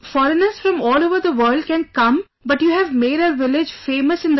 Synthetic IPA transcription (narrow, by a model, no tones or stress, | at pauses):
fɔɾənəɾz̥fɾɔ̃mɔːloːʋəɾd̪əʋəːɾlɖkɛ̃nkʌ̃m | bʌʈjuːɦɛʋmeːɖəʋɪlɪd͡ʒfeːməsɪ̃nd̪